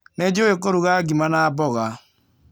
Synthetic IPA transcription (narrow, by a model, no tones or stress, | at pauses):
nɛd͡ʒowekoɾuɣaɡimanabɔɣa